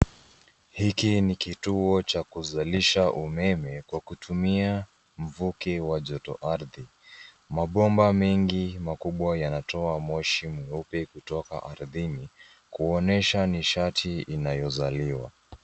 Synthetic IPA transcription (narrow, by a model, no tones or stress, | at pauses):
hikinikituɔt͡ʃakuzaliʃaʔumɛmɛkwakutʰumia | m̩vukɛwaʄɔtɔ̰ʔaɾði | maɓɔmbamɛŋɡimakuɓwajanatɔamɔʃimwɛupɛkutɔka̰ʔaɾðini | kuɔnɛʃaniʃatʰiinajɔzaliwa̰